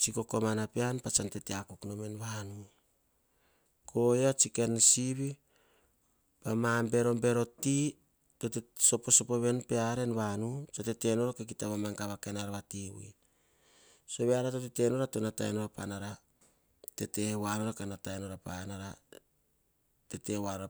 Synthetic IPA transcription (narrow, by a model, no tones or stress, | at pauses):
t͡ʃiko̞ko̞manapeanpat͡ʃante̞teakukno̞menβanu | kʰojot͡ʃikensiβi | pamambe̞ɾo̞mbe̞ɾo̞ti | to̞teso̞po̞so̞poβenpeaɾe̞nβanut͡ʃatete̞no̞ɾokek̬itaβamaŋkaβakenaɾaβatiw̰ḭ | so̞βeaɾatotete̞no̞ɾatonata̰eno̞ɾapa̰naɾa | te̞te̞wanoɾakanataeno̞ɾapanaɾa | te̞te̞wanoɾa